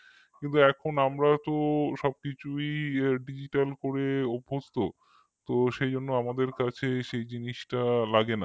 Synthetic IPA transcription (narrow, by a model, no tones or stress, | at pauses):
kint̪uɛkʰonamɾat̪oʃɔb̚kit͡ɕʰujɖid͡ʑiʈalkoɾeobʱːost̪o | t̪oʃed͡ʑonːoamad̪eɾkat͡ɕʰeʃejd͡ʑiniʃʈalaɡena